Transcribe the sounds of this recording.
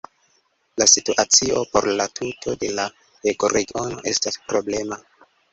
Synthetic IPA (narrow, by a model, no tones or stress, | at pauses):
lasituʔat͡sio̞po̞ɾlatʰutʰo̞de̞la | heɡoɾeɡio̞no̞̰ʔe̞staspɾo̞ble̞ma